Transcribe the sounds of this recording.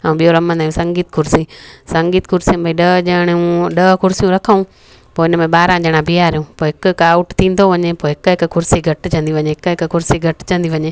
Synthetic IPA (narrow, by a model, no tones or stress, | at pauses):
ãũɓijoɾɐmə̃nd̪aːjũsɐ̃ŋɡiːt̪kʰʊɾsisɐ̃ŋɡiːt̪kʰʊɾsĩbʱɐiɗɐd͡ʑɐɪɽ̃ũɗɐkʊɾsijũɾɐkʰaũ | poːɪnmẽɓaːɾãd͡ʑɐɽ̃ãbʱiːaːɾijũːpoːɦɪkkaːʊʈt̪ʰĩːn̆d̪oʋɐɲepoːɦɪkɦɪkkʰʊɾsiɡʱɐʈt͡ʃʰɐ̃nd̪iʋɐɲeɦɪkɦɪkkʊɾsiɡʱɐʈt͡ɕʰɐ̃nd̪iʋɐɲeː